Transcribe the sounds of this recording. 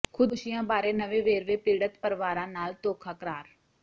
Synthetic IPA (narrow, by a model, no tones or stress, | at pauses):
kʰʊd̪ʃɪjãːbaːɾeːnəʋeːʋeːɾʋeːpiːɽət̪pəɾʋaːɾãːnaːlt̪oːkʰaːkəɾaːɾ